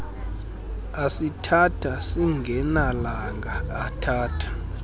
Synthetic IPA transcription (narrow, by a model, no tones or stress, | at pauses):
asitʰatʰasiŋɡʱɛnalaŋɡʱaːtʰaːtʰḁ